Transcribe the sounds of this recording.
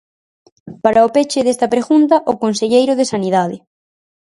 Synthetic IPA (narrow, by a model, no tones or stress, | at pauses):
paɾʔɐopet͡ʃɪðest̪ɐpɾeɣunt̪ɐʔʊkonseʎejɾʊðesaniðaðɪ